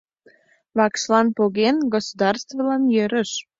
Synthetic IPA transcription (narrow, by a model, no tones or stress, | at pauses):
βɑkʃlɑnpoɣenɡosud̪ɑrst̪vəlɑnjøɾəʃ